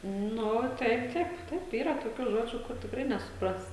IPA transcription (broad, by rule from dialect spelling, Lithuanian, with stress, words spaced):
ˈnʊ ˈtɐɪp ˈtɐɪp ˈtɐɪp ˈiːrɐ toːˈkʲuː ˈʒoːd͡ʒʲuː kʊr tʲɪkˈrɐɪ nʲɛsʊˈprɐs